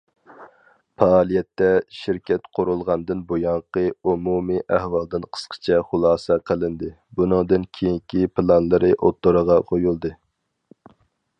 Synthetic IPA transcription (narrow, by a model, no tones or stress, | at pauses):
pʰɑɑːlˠijɛt̪ːɛʃɪɾkʲɛt̪qʰʊɾulˠʁɑnd̪ɨnbojɑɴqəumumɨʔæhwɑlˠd̪ɨnqʰə̥sqʰə̥t͡ʃʰɛχʊlˠɑːsɛqʰəlˠɨnd̪ɨ | bunɨŋd̪ɨnkʲʰejiŋkʲʰipʰɨlˠɑnlˠɨɾɨʔot̪ːoɾəʁɑqʰojulˠd̪ɨ